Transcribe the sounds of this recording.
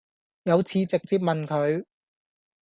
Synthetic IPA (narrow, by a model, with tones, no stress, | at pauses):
jɐ˨˧wt͡sʰiː˨˧t͡sɪ˨k̚t͡siː˧p̚mɐ˨nkʰɵ˨˧ɥ